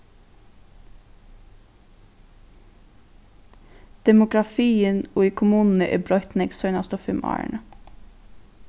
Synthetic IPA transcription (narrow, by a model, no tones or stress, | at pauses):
d̪̥ɛmʊɡɾɑfiːənoːiːkʰʊmʉːnn̩əʔḛːbɾɔʏt̪nɛɡsœʏnɑst̪ɔfʏmʔɑ̰ːə̰ɳə